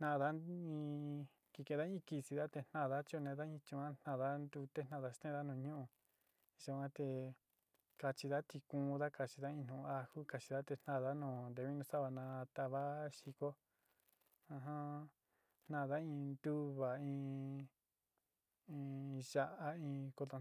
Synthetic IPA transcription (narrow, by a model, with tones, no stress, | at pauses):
n̥ã˧ða˦ĩ˧ | ki˧kẽ˧ða˦ĩ˦ki˧si˧ða˦t̪e˧n̥ã˧˨˧ða˦t͡ʃo˧nẽ˧ða˦ĩ˧t͡ʃĩ˧ã˦n̥nã˧˨ða˦nd̪u˧t̪e˦n̥ã˧˨ða˦st̪ẽ˦˧ða˦nũː˧˨˧ɲũ˦ʔũ˧ | ʒa˧˨ã˦t̪e˧ | ka˧t͡ʃi˧ða˦t̪i˧kũ˧˦˧ða˦ka˧t͡ʃi˧ða˦ĩ˧n̥ũ˧a˧hu˦ka˧t͡ʃi˧ða˦t̪e˧n̥nã˧˨ða˦nũː˧˨nd̪e˧βi˦nũ˧sa˦βa˧˨nã˧t̪a˧βa˦ʃi˧ko˦ | ã˧ɦã˦ | n̥nã˧˨ða˦ĩ˧nd̪u˦βa˨ĩ˧ | ʒa˧ʔa˦ĩ˧ko˧t̪o˧